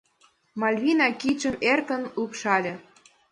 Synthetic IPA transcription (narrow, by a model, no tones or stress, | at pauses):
mɑlʲβʲinɑkit͡ɕə̆merkənupʃɑlʲĕ